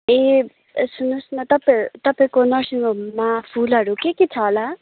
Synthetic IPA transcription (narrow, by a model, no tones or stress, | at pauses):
e | sunusnʌt̪ʌpt̪ʌpãkonʌsiŋomapʰulɦʌɾukekit͡sʰʌla